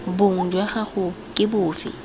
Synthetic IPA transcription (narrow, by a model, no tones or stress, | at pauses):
bʊŋ̩d͡ʒwɛχaχʊ | kʼɪbʊːfɪ̰